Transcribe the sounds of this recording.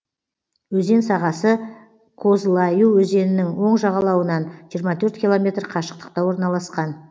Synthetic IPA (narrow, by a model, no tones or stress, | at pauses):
wɵze̞nsɑʁɑsə | kʰo̞zlˠɑjuwɵze̞nɪnɪŋwo̞ɴʒɑʁɑlˠɑwənɑnʒijəɾmɑt̪ʰɵɾt̪kʲilˠo̞mʲe̞t̪rqʰɑʃə̥q̚t̪ə̥q̚t̪ɑwo̞ɾnɑlˠɑsqɑn